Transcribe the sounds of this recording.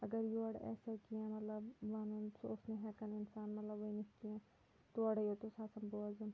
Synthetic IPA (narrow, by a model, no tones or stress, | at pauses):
ɐɡəɾjoɐɽɛ̰ːseokiɛ̃ːmɐt̪ləbʋaːnũsoʊsneɦɛːkənɪnsaːnmɐt̪ləbʋoinɪskiɛ̃ː | t̪oɐɽjot̪osaːsɐmboːzɐ̃m